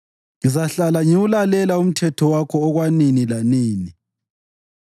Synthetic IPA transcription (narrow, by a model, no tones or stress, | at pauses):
ŋizaɬalaɲiwulalɛlaum̩tʰɛtʰɔwakʰɔːɣwaninilaniːni